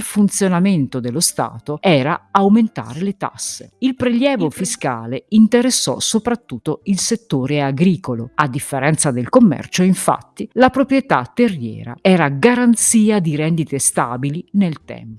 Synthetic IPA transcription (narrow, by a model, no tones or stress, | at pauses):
lfunt̪sjonament̪od̪elːost̪a̰ːt̪oɛːɾaawment̪a̰ːɾelet̪a̰sːḛilpɾeljɛːvofiska̰ːleint̪eɾesːɔ̰sopɾat̪ːut̪ːoilset̪ːoːɾeaɡɾiːkoload̪ːifːeɾɛnt̪sad̪elkomːɛ̰rt͡ʃoiɱfa̰t̪ːilapɾopɾjet̪a̰t̪ːerːjɛ̰ːɾa̰ɛːɾaɡaɾant̪siːad̪iɾɛnd̪it̪est̪a̰ːbilinelt̪ɛ̰mp